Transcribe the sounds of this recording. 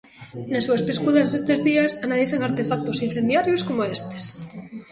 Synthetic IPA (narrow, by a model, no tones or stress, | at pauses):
nesuespiskuðazðest̪ezðiasanaliθeŋaɾt̪efak̚t̪osin̟θend̪jaɾjoskomoest̪e̥s